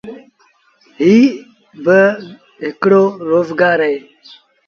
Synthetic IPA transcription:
ɦiː | bə | ɦɪkɽoːɾoːzɡaːɾəeː

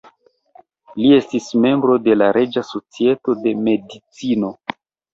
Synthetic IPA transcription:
lie̞stisme̞mbɾo̞de̞laɾe̞d͡ʒaso̞t͡sie̞to̞de̞me̞dit͡sino̞

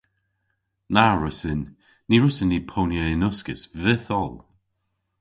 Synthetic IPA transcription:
naɹʊsɪnː | iɹʊsɪnːipʰownjəɪnʊskɪsvɪθɔlˠ

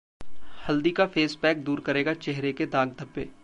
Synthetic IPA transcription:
hɐld̪ikafeːspɛːk̚d̪uːɾkɐɾeːɡat͡ʃɛɦɾeked̪ãːɡd̪ʱɐpːḛː

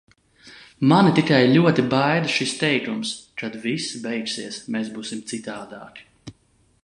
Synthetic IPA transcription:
manit̪ikajlʲuɔt̪ibajd̪ʃist̪ɛjkumskad̪visibɛjksiɛsmeːsbuːsimt̪sit̪aːd̪a̰ːk

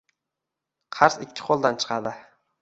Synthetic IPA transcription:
qʰɑɾsɪkʲʰːɪ̥qʰolˠd̪ant͡ʃʰɨ̥qʰɑd̪ɪ

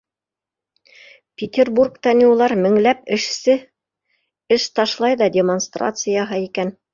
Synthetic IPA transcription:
pʲɪtʲerburkt̪ɑnʲiulˠɑɾmɘ̆ŋlæpɘ̆ʃsɘ | ɘʃt̪ɑʃlˠɑjðɑdʲemonst̪ra̰t̪sɨjɑɦɤikæn

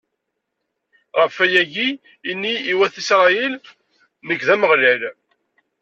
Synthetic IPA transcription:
ʁəfæjæʝiː | nːiːwæθisɾˤɑjil | nəɡðæməʁlil

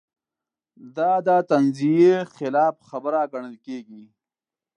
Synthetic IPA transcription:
d̪ad̪at̪ɐnzijexɪlɑːfxabəɾaɡɐɳəlkeːɡi

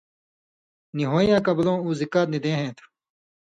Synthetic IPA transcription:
niɦoːjãːkɐblõːuːzikaːt̪̚nid̪ẽːɦẽːt̪ʰ

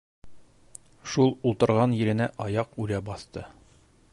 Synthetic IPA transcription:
ʃulˠulˠt̪ɤ̆ɾʁɑnjɘ̆ɾɘ̆næʔɒjɑqʉɾæbɒθt̪ɤ

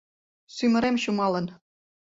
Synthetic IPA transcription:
symə̆ɾemɕumɑlɤ̆n

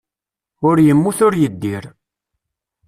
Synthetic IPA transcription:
ʊɾjəmːuθʊɾjəd̪ːiɾ

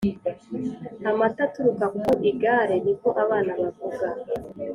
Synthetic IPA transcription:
amatatuɾukakuʔiɡaɾe̞niko̞ʔaβaːnaβavuɡa

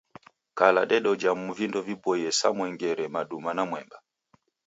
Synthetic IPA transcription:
kala̰ɗɛɗɔd͡ʒamuvindɔvibɔjɛsa̰mwɛŋɡɛɾɛmaɗumanamwɛmba

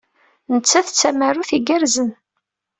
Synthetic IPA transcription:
nət͡sːæθt͡sːæmærːuθiɡæɾzən

